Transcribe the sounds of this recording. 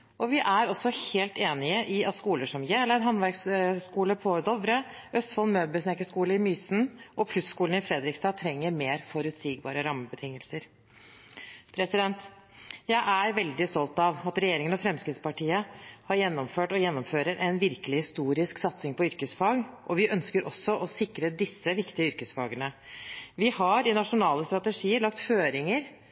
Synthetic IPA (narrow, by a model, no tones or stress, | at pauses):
ʔɔʋɪʔæɾɔsːɔheːlt̪eːnɪəʔɪɑt̪skuːləʂɔmjɛləɾɦɑnʋæɾksskuːləpʰɔd̪ɔʋɾə | œst̪fɑlmøːbəsnɛkːəskuːləɪmyːsn̩ʔɔpʰlʉsskuːln̩ɪfɾɛd̪ɾɪkst̪ɑːt̪ʰɾɛŋːəɾmeːɾfɔɾʉt̪siːɡ̚bɑ̰ːɾəɾɑmːəbət̪ʰɪŋːəlsəɾ | pʰɾɛsɪd̪ɛnt̪ | jæɪʔæɾʋɛld̪ɪst̪ɔlt̪ɑʋɑt̪ɾɛjeːɾɪŋənɔfɾɛmskɾɪt̪spɑʈiːəhɑɾjɛnːɔmføːʈɔjɛnːɔmføːɾəɾʔɛnʋɪɾkəlɪhɪst̪uːɾɪsksɑt̪sɪŋpɔʏɾkəsfɑːɡʔɔʋɪʔœnskəɾʔɔsːɔʔɔsɪkɾəd̪ɪsːəʋɪkt̪ɪəʏɾkəsfɑːɡənəʋɪhɑɾɪnɑʂʊnɑːləst̪ɾɑt̪əʂiːəɾɭɑkt̪føːɾɪŋəɾ